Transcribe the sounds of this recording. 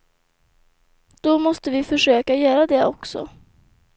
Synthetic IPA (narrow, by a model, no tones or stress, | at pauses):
d̪̥ɔmɔst̪əvɪfœʂøːkajœːɾad̪ɛɔksɔ̰